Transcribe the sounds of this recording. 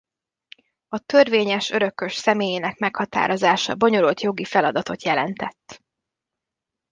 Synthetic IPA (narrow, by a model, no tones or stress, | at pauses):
ɒt̪ø̞rveːɲɛʃø̞ɾø̞kːø̞ʃsɛmeːjeːnɛkmɛkhɒt̪a̰ːɾo̞zaːʃɒ̰bo̞ɲo̞lult̪jo̞ɡifɛlɒd̪ɒt̪o̞t̪jɛlɛnt̪ɛt̪ː